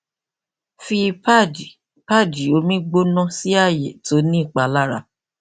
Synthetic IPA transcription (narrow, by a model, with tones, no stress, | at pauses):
fi˧pa˦˨d͡ʒi˨pa˦˨d͡ʒi˨o˧˦mĩ˦ɡ͡bo˦nɔ̃˦si˦a˦˨je˨to˨˦nĩ˦˨k͡pa˧la˦˨ɾa̰˧